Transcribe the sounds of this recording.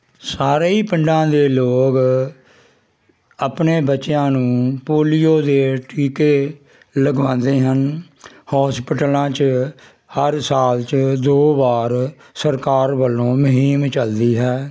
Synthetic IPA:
saːɾeiːpɪɳɖãːd̪eːloːɡ | apneːbətːʃɪjãːnũːpoːlijoːd̪eːʈiːkeː | ləɡʋãːnd̪eːɦən | hɔːspɪʈəlãːt͡ʃ | həɾsaːlt͡ʃd̪oːʋaːɾ | səɾkaːɾʋəlːõːmʊɦiːmt͡ʃəld̪iːɦɛː

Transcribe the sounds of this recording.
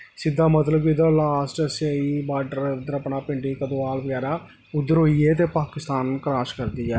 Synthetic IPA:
sɪd̪ːaːmət̪ləbkid̪aːlaːsʈəseiːbaːɖəɾʊd̪əɾəpnaːpɪ̃ɳɖiːkəd̪õːaːlʋəɡɛːɾaː | ʊd̪ːəɾɦoːiɛːt̪̬eːpaːkɪst̪aːnkɾaːʃkəɾd̪iːɛː

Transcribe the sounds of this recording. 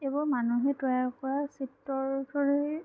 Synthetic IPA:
ebɔɹmanuɦɛtɔjakɔɹasitːɔɹdʰʱɔɹi

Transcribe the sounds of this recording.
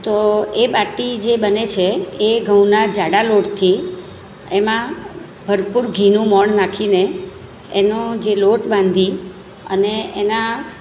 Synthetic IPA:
t̪oebaʈid͡ʒebənet͡ʃʰeeɡʱəw̃nad͡ʒaɽaloʈt̪ʰi | emã | bʱəɾpuɾɡʱinũmɔɳnakʰineː | nõd͡ʒeloʈbãnd̪ʱi | ə̰neena

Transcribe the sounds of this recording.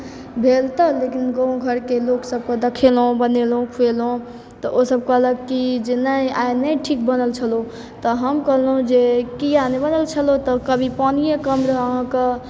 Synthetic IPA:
bʱelt̪əlekinɡõɡʱəɾkeloksəb̚kəd̪əkʰelɦõbənelũkʰuelɦõ | t̪ɔʔosəb̚kəɦləkid͡ʒenəjajnəjʈʰik̚bənəlt͡ʃʰəlo | t̪ɔɦəmkəɦləɦũd͡ʒekijanebənəlt͡ʃʰəlot̪ɔkəbʱipanijekəmɾəəɦãkə

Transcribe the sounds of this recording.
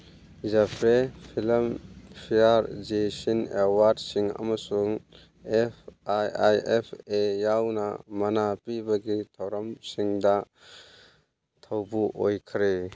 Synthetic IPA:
zapʰɾepʰilɐmpʰiaɾd͡ʒesineɾwaɾdsiŋɐ̰mɐsuŋ | epʰajajepʰejawnɐ̰mɐnapibɐɡitʰɐwɾɐmsiŋdɐ | tʰɐwbuʔojkʰɾe

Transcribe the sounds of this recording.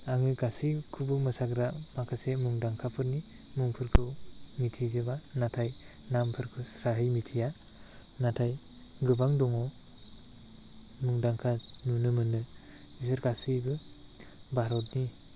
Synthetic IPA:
aŋɯɡasikʰubɯmɯsaɡɾamakʰasemuŋdaŋkʰapʰɯɾni | muŋpʰɯɾkʰɯmitʰizebanatʰaj | nampʰɯɾkʰɯsɾaɦɯjmitʰija | natʰaj | ɡɯbaŋdɔŋɔ | muŋdaŋkʰanunɯmɯnɯisɯɾɡasibɯ | baɾɔt̚ni

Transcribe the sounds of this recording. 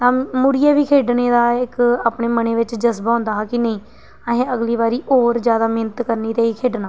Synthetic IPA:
t̪ãːmʊɽijeːʋiːkʰeːɖneːd̪aːɪkaːpneːməneːʋɪt͡ʃd͡ʒəsbaːõːnd̪aːɦkɪnəĩː | əɦẽːəɡliːβaːɾiːʔoːɾd͡ʒjaːd̪aːmeːnət̪kəɾniːt̪eːiːkʰeːɖnaː

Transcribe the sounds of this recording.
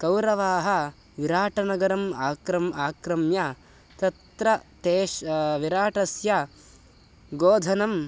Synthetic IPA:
kɐwɾɐʋaːɦɐ | ʋiɾaːʈɐnɐɡɐɾɐmaːkɾɐmaːkɾɐmja | t̪ɐt̪ɾɐt̪eːʃʋiɾaːʈɐsja | ɡoːd̪ʱɐnɐm

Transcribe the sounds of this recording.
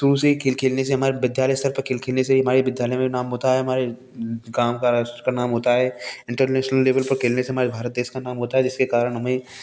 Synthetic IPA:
suːsekʰeːlkʰeːlneseɦɐmaːɾebɪd̪ʱjaːləjst̪əɾpɐɾkʰeːlkʰeːlneseiɦɐmaːɾebɪd̪ʱjaːləjmẽnaːmɦoːt̪aɦɛɦɐmaːɾe | ɡaːmkasəɾkanaːmɦoːt̪aɦɛːɪ̃ɳʈəɾnɛːʃnəlːeːʋəlpɐɾkʰeːlneseɦɐmaːɾebʱaːɾət̪̚d̪eːʃkanaːmɦoːt̪aɦɛd͡ʒɪskekaːɾəɽ̃ɦɐmẽ

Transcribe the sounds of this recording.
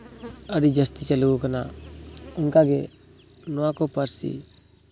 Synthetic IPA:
əɽid͡ʒəst̪it͡ʃəluɡukəna | ʊnkaɡe | nɔwãkopəɾsḭ

